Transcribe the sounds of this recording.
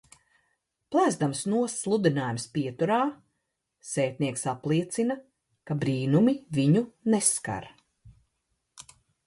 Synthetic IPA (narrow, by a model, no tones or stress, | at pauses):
plˠæːzd̪amsnuɔsːlˠud̪inaːjumspiɛt̪uɾaː | sɛːt̪̚niɛksaplˠiɛt̪sina | kabɾiːnumiviɲuneska̰ɾ